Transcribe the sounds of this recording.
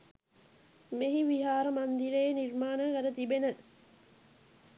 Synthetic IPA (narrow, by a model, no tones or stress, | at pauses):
meɦiʋiɦaːɾəmɐnd̪iɾeːnirmaːnakɐɾət̪ibenə